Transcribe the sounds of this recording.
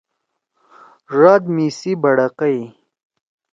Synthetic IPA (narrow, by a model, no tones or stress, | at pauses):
ʐaːd̪miːsibɐɽɐqɐj